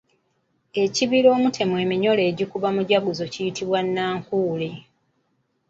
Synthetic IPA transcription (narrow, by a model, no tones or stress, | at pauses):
e̞ciβiɾo̞ːmutʰe̞mwe̞ːmiɲo̞le̞ːɟikuβamuɟaɡuzo̞cijitiβwanːaːŋkuːle